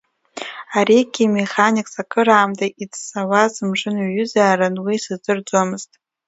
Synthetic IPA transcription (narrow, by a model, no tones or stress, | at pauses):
aɾiɡʲimeχanʲikʼsakʼʰɨɾaːmdʼait͡sʰsawazɨmʐʷɨnaɥʏzaːɾanwisɨzdɨrd͡zʷamɨztʼ